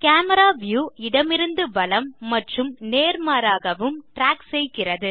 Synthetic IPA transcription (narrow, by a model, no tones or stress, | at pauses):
kaːmɐɾaːʋjuːɪɽɐmɪɾɯnd̪ɯbɐlɐmːɐʈrɯmneːɾmaːɾaːɣɐʋɯmʈɾaːksɛjɣɪrɐðɯ